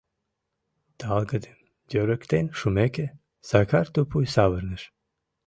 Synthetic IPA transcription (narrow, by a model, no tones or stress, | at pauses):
d̪̥əɑlˠɡəd̪em | d̪ʲøɾəkt̪enʃumeke | sakʰaɾt̪upʰujsavəɾnəʃ